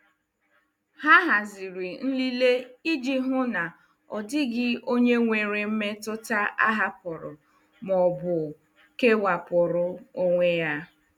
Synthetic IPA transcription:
ha˦ɦa˨zi˨ɾi˨n̩˦li˦le˦i˦d͡ʒi˦ɦʊ˦na˨ | ɔ̰˨dɪ˦ɡɪ˦o˦ɲe˦ŋʷe˨ɾe˨m̩˦me˦tʊ˦ta˦ʔa̰˦ɦa˦pʊ˨ɾʊ̰˨ | mɔ˨bʊ˨ | ke˦wa˨pʊ˨ɾʊ˨o˦ŋʷe˦ja˦

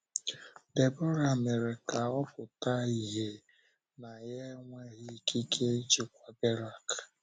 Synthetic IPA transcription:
de˨bɔ˦ɾa˨me˨ɾe˨ka˨ɔ˦pʊ˨ta˦i˦ɦe˦ | na˨je˦ŋʷe˦ɣɪ˦ki˦kʰe˦i˦t͡ʃi˦kʷa˨be˦ɾa˨k

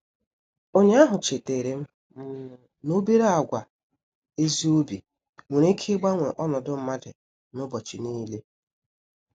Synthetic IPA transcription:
o˦ɲe˦a˦ɦʊ˨t͡ʃe˨te˨ɾe˨m̩˦˨ | no˦be˦ɾa˦a˨ɡʷa˨ | e˦zi˦o˦bi˨ | mu˨ɾe˦kʰe˦ɡ͡ba˦ŋʷe˨ʔɔ˦nɔ˨dʊ˦m̩˦ma˦dɪ̰˨ | nʊ˦bɔ˨t͡ʃɪ˨niː˦le˦

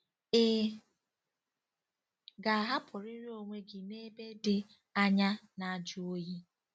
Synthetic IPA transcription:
ɪ˦ | ɡa˨a˨ɦa˦pʰʊ˨ɾɪ˦ɾi˦o˨ŋʷe˦ɡɪ˨ne˦be˦dɪ˦ | a˦ɲa˦na˨d͡ʒʊ˦o˦ji˦

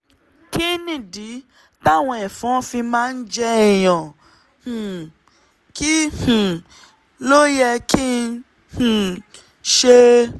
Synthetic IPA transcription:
ki˦nĩ˦˨di˨˦ | ta˦˨w̃ɔ̃˧ɛ˨fɔ̃˨˦fi˧mãː˦˧n̩˦d͡ʒɛ˧ɛ˨j̃ɔ̃˨ | hũ˨ | ki˦hũ˨ | lo˦jɛ˧ki˦ | h̩˨ | ʃe˦

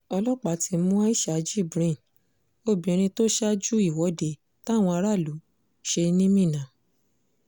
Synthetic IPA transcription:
ɔ˧lɔ˦k͡pa˨˦tʰi˧˦mũ˦a˦i˦ʃa˨˦d͡ʒi˦˨bɾẽ˦˨n | o˧bĩ˨ɾ̃ĩ˧to˦ʃa˦d͡ʒu˦i˦˨wɔ˨˦de˧ | ta˦˨w̃ɔ̃˧a˧ɾa˦˨lu˨˦ | ʃe˧nĩ˦mĩ˦˨nã˨˦

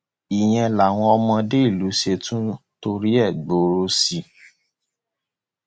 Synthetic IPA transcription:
i˨j̃ɛ̃˧˨la˨w̃ɔ̃˧ɔ˧mɔ̃˧de˦i˦˨lu˨˦ʃe˧tũ˦to˧ɾi˦ɛ˦˨ɡ͡bo˨˦ɾo˦si˧

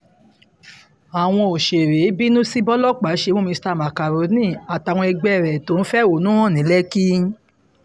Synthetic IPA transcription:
a˨w̃ɔ̃˧o˨ʃe˨ɾe˨˦bi˦nũ˦si˦bɔ˦lɔ˦k͡pa˨˦ʃe˧mõ˦mĩ˧sta˦˨ma˨ka˨ɾo˨˦nĩ˦˨a˨ta˨w̃ɔ̃˧ɛ˧ɡ͡bɛ˦˨ɾɛ˨to˨˦n̩˦fɛ˦o˨nũ˦ɔ̃˦˨nĩ˨˦lɛ˦ki˦

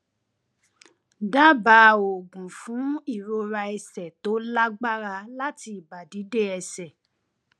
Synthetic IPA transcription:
da˦ba˨˦˨o˨ɡũ˨fũ˨˦i˦˨ɾo˧ɾa˧ɛ˧sɛ˨to˨˦la˦ɡ͡ba˦ɾa˧la˦ti˧i˨ba˨di˨˦de˦ɛ˧sɛ˨

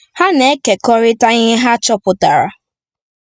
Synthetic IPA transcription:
ha˦ne˦ke˨kɔ˦ɾɪ˦ta˦ɲɪ˦ɦa˦t͡ʃɔ˦pʊ˨ta˨ɾa̰˨

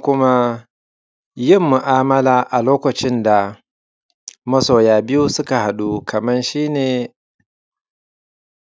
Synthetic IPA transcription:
kʷʊ˦ma˦ | jɪ˦mːu˨ʔaː˦mɐ˦laː˨ʔa˨loː˦kʷɐ˨t͡ʃɪ˦nda˨ | mɐ˦soː˨jaː˨bɪ˦ju˦sʊ˦ka˨ha˨ɗu˦kʰɐ˨mɐ˦nʃiː˦neː˨

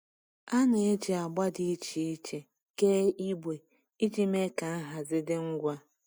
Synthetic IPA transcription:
a˦nɪ˨e˦d͡ʒi˨a˨ɡ͡ba˦di˦i˦t͡ʃi˨i˦t͡ʃe˨ | ke˦i˦bʷe˨ | i˦d͡ʒi˦me˦ka˨a˦ɦa˨zɪ˦dɪ˦ŋ̩˦ɡʷa˦

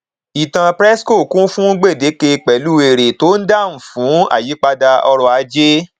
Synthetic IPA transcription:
i˨tã˨pɾɛ˦sko˦˨kũ˦fũ˦ɡ͡be˦˨de˨˦ke˧k͡pɛ˨lu˦e˨ɾe˨to˦n̩˦da˦˨m̩˨fũ˨˦a̰˦˨ji˨˦k͡pa˧da˧ɔ˧ɾɔ˧a˧d͡ʒe˦

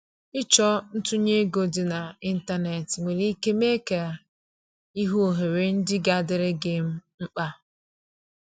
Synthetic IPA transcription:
ɪ˦t͡ʃɔ˦n̩˦tu˦ɲe˦ɡo˨dɪ˨na˨i˦n̩˦ta˦ne˨tŋʷe˨ɾi˦ke˦me˦ka˨ | i˦ɦu˦o˨ɦe˨ɾe˨n̩˦dɪ˦ɡa˨dɪ˨ɾɪ˦ɡe˨m̩˦ŋ͡m̩˦k͡pa˦

